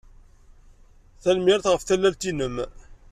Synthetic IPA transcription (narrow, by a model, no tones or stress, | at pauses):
θælmɪɾθʁəfθælːælt̪inəm